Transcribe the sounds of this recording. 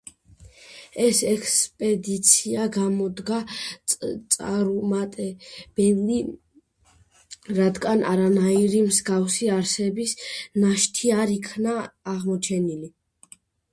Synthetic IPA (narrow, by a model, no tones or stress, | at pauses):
ɛsɛkʰspʼɛd̪it̪sʰiaɡamɔd̪ɡa | t̪sʼaɾumat̪ʼɛb̥ɛli | ɾad̪ɡanʔaɾanaiɾimzɡafsiaɾsɛbisnaʃt̪ʰiaɾikʰnaːʁmɔt͡ʃʰɛnili